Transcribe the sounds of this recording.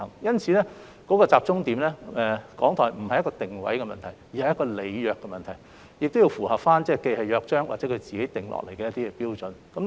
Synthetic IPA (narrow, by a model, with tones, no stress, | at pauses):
ɐ˨˩ŋjɐ˥nt͡sʰiː˨˧lɛː˥ | kɔ˨˥kɔː˧t͡saː˧p̚t͡sʊ˥ŋt̪iː˨˥mlɛː˥ɛ˨˧kɔ̰ː˨˥ŋt̪ʰɔː˨˩jm̩˨˩hɐ˨jɐ˥kɔː˧t̪ɪ˨ŋwɐ̰˨˥jkɛ˧mɐ̰˨nt̪ʰɐ˨˩jjːhɐ˨jːɐ˥kɔː˧le˨˧jjœː˧kːɛ˧mɐ˨nt̪ʰɐ˨˩j | jɪ˨k̚t̪o˥wji˧wfuː˨˩hɐ˨p̚faː˥nt͡sɛː˥˧ke˧jhɐ˨jœː˧k̚t͡ʃœː˥ŋwaː˨tt͡sɛ˨˧˥kʰɵ˧ɥt͡siː˨ke˨˥jt̪ɪ˨ŋlʔɔ̰˨k̚lʔe˨˩jkɛː˧jɐ˥t̪i˥kɛ˧piː˥wt͡sɵ˨nkɐ˨˦m